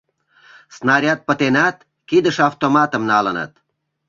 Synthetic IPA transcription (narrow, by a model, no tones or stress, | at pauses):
snɑɾʲat̪̚pə̆t̪enat̪ | kid̪əʃɑwt̪omɑt̪ə̆mnɑlənə̰t̪̚